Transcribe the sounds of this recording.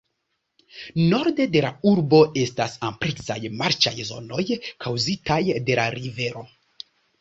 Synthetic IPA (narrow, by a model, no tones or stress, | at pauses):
no̞ɾde̞de̞lauɾbo̞e̞stasampɾeksajmaɾt͡ʃajzo̞̰no̞jkʰawzitajde̞laɾive̞ɾo̞